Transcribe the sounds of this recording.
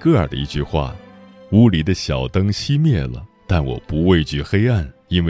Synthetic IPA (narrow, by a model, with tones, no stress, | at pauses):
kɤ˥˩ə˞˨˩d̪ə̰˧ḭ˧t͡ɕy˥˧xwa̰˥˩u˧˥li˨˩d̪ə˦ɕjɑ˨˩ʊt̪ɤ˥ŋɕi˥mjɛ˥˩lə̰˩t̪a˥˩nwɔ̰˨˩pu˧˥we˥˧ɪt͡ɕy˥˩xe˥ɪa˥˩n | i˥nwe˥˧